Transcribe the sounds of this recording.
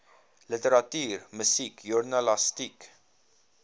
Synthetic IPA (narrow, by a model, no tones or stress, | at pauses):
lɪt̪ɛɾɐt̪iːɾmɪsiːkjʊɾnɐlɐst̪iːk